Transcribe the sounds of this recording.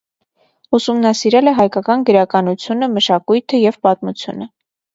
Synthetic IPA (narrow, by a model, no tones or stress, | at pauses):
usumnɑsiɾɛlɛɦɑjkɑkɑnɡəɾɑkɑnut͡sʰjunəməʃɑkujt̪ʰəjɛvpɑt̪mut͡sʰjṵnə